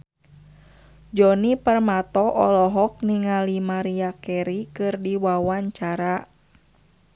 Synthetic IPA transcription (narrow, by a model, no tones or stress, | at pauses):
d͡ʒɔnipərmat̪ɔʔɔ̰lɔɦɔk̚niŋalimaɾiakɛɾikɨrdiwawaɲt͡ʃaɾa